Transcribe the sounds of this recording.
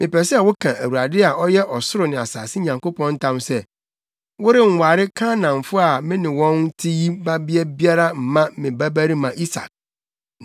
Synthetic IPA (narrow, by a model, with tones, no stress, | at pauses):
mʔɪ̃˨pɛ˨sɛ˦˨wʊ˦kʰã˨ʔæ˨wu˨a˨dɪ˦a˨ɔ˦jɛ˦ʔɔ˨sʊ˦ɾʊ˨nɪ̃˨a˨saː˨sɪ˦ɲã˨ŋko˦pʰɔ̃˦n̩˦tʰã˦msɛ˦ | wʊ˦ɾɪ˦ŋ̩˨wa˨ɾɪ˦kʰa˦nã˨ɱfʊ˦a˨mɪ̃˦nɪ̃˨wɔ̃˦n˦tʰi˦ji˦ba˦bi˦ɛ˦bi˦a˦ɾa˦m̩˨mã˦mɪ̃˨bæ˦bæ˦ɾi˦mã˨ʔi˦sa̰˨k̚